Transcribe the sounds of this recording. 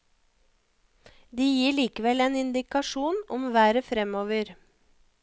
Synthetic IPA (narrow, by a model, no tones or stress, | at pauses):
d̪iːjiːɭiːkəʋɛleːnɪnd̪ɪkɑʃuːnɔ̰mʋæːɾəfɾɛmoːʋəɾ